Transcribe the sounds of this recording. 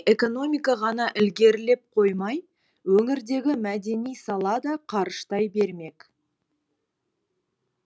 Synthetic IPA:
ʔe̞ko̞no̞mʲijkɑʁɑnɑʔɪlɡʲe̞ɾɪle̞p̚qʰo̞jmɑj | wɵŋɪɾd̪e̞ɡʲɪmæd̪e̞nijsɑlˠɑd̪ɑqʰɑɾəʃt̪ɑjbe̞ɾme̞k

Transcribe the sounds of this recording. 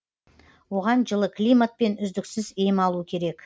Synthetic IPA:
wo̞ʁɑnʒəlˠəklʲijmat̪̚pe̞nʏzd̪ɪksɪzejɪmɑlˠuəkʲʰe̞ɾe̞k

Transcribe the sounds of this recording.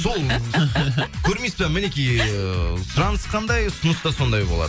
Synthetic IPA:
so̞lˠ | kʲʰɵɾmej̪spemɪnekʲij | sʊɾɑnəsqʰɑnd̪ɑjsʊnəst̪ɑso̞nd̪ɑjbo̞lˠɑ̰d̪ə

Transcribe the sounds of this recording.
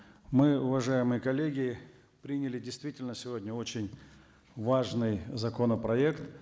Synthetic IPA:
mɨʊvɐʐajɪmɨjəkɐlʲːeɡʲɪ | pɾʲinʲɪlʲɪdʲɪjst̪vʲitʲɪlʲnəsʲɪvo̞dʲnʲəo̞t͡ɕɪnʲ | vaʐnɨjzɐkonəpɾɐekt̪

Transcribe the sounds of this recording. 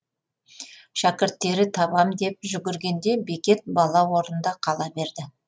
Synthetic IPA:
ʃækʲɪɾt̪ːe̞ɾɪt̪ʰɑbɑmd̪e̞p̚ʒʏɡʲɪɾɡʲe̞nd̪e̞be̞kʲe̞t̪̚bɑlˠɑwo̞ɾənd̪ɑqʰɑlˠɑbe̞ɾd̪ɪ

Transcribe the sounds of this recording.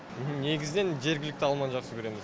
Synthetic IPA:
əne̞ɡʲɪzɪne̞nʒe̞ɾɡʲɪlɪk̚t̪ɪɑlˠmɑnʒɑqsəkʰɵɾe̞mɪz

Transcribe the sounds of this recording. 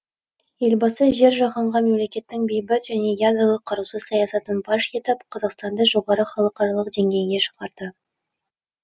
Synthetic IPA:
je̞lʲbɑsəʒe̞ɾʒɑʁɑɴʁɑme̞mle̞kʲe̞t̪ːɪŋbʲejbɪt̪ʒæne̞jad̪ralˠəqʰːɑɾusəzsɑjɑsɑt̪ənbɑʃjet̪əpqʰɑzɑqst̪ɑnd̪ɑʒo̞ʁɑɾəχɑlˠəqɑɾɑlˠəqd̪e̞ŋɡʲe̞jɪŋʲe̞ʃə̥ʁɑɾd̪̥ə

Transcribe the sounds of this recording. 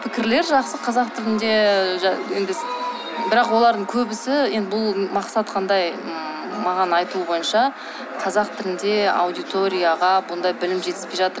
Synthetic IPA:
pʰɪkʲɪɾle̞ɾʒɑqsəqʰɑzɑqt̪ʰɪlɪnd̪e̞ | je̞nd̪ɪ | bɪɾɑqwo̞lˠɑɾd̪əɴkʲʰɵbɪsɪje̞nd̪ɪbʊlˠmɑqsɑt̪qʰɑnd̪ɑj | mɑʁɑnɑjt̪uəbo̞jənʃɑ | qʰɑzɑqt̪ʰɪlɪnd̪e̞a̰wd̪ijt̪o̞ɾʲijaʁɑbʊnd̪ɑjbɪlɪmʒe̞t̪ɪspe̞jʒɑt̪əɾ

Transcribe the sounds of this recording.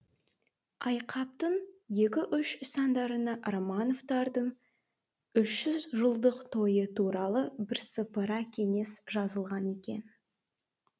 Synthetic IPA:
ɑjqʰɑp̚t̪əɴje̞kʲɪʔʏʃsɑnd̪ɑɾənɑʔromɑno̞vt̪ɑɾd̪əɴ | ʏʃʒ̥ʏzʒəlˠd̪əqt̪ʰo̞jət̪ʰuɾɑlˠəbɪɾsəpəɾɑkʲʰe̞ŋe̞sʒɑzəlˠʁɑne̞kʲe̞̰n

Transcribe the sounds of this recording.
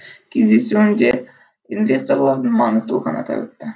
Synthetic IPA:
kʲezd̪esynd͡ʒe | invʲe̞st̪orlˠɑɾd̪ɯnmɑnɯzt̪ɯlˠʁɑ̰nɑ̰t̪ʰɑ̰ø̰t̪ːɪ

